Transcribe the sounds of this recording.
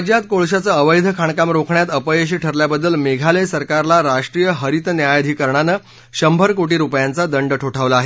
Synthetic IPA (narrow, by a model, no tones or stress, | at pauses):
d͡ʑjat̪koɭɕat͡səəʋəjd̪ʱəkʰaɳkamɾokʰɳjat̪əpəjəɕ̬iːʈʰəɾljabəd̪ːəlmeɡʱaləjsəɾkaɾlaɾaʂʈɾijəɦəɾit̪njajd̪ʱiːkəɾɳanə | ɕəmbʱəɾkoʈiːɾupjant͡sad̪əɳɖəʈʰoʈʰaʋlaːɦe